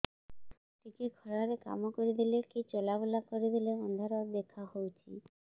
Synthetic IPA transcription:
t̪ikekʰɔɾaɾeka̰mokoɾed̪ilekit͡ɕɔlabulakoɾed̪ileɔnd̪ʱaɾoɾd̪ekʰːahowt͡ɕʰi

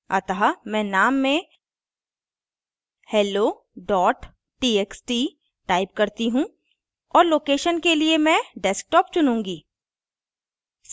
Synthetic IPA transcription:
ɐ̰t̪əɦamɛ̃ːnaːmːẽ | hɛːloː | ɖɔːʈ | ʈiːeːksʈi | ʈaːɪpkɐɾt̪iɦũ | ɔːɾloːkeːʃənkeliemɛ̃ɖesk̚ʈɔːp̚t͡ʃʊnũːŋɡiː

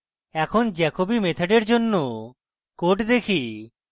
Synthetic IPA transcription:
ɛkʰond͡ʒɛkobimet̪ʰeɖeɾd͡ʒonːo | koʈd̪ekʰi

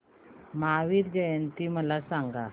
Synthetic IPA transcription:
maːwiɾɡəjənt̪iməlasãŋɡa

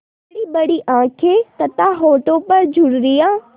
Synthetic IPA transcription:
ɽiɓɐɽiʔãːkʰeːt̪ɐt̪ãɦoːʈ̪opɐɾd͡ʑʱʊɽɾijãː

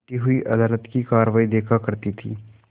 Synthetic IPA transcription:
t̪iɦʊiʔɐd̪aːlət̪kikaːɾʋaːid̪eːkʰakɐɾt̪it̪ʰḭː

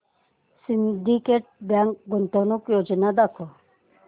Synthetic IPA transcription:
sind̪ikeʈ̚bjaŋkɡunt̪onukjod͡ʑinad̪akʰo

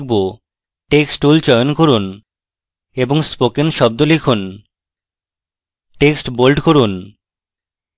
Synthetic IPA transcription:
k̚bo | ʈeksʈult͡ɕɔjonkoɾun | eboŋspokenʃɔb̚d̪olikʰun | ʈeksʈbolɖkoɾun

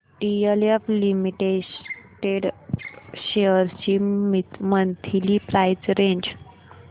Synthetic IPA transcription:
ʈiəljaflimiʈeʈeɽ | ɕeəɾt͡ɕiːmimənt̪ʰilipɾajd͡zɾẽɲd͡ʑ

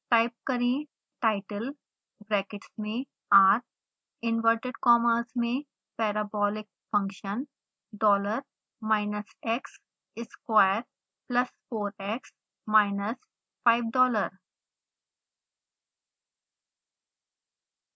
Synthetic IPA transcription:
ʈaɪp̚kəɾĩː | ʈaɪʈəl | bɾɛːkɪʈsmẽː | aːɾ | ɪ̃nʋəɾʈeɖkɔːməɾsmẽː | pɛːɾəbɔːlɪk̚fʌ̃ŋkʃə̃n | ɖɔːləɾ | maɪnəsɛks | ɪskʋaɪəɾ | pləsfoːɾɛks | maɪnəs | faɪʋɖɔːləɾ

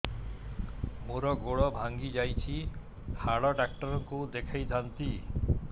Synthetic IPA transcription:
muɾɔɡoɭɔbʱaŋɡid͡ʒajt͡ʃʰi | haɽɔɖak̚ʈɔɾɔŋkud̪ekʰajd̪ʱant̪i

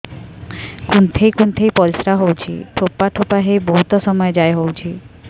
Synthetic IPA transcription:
kunt̪ʰejkunt̪ʰejpɔlsɾaɦowt͡ʃʰḭʈʰopaʈʰopaɦebɔɦut̪ɔsɔmɔjed͡ʒajɦowt͡ʃʰi

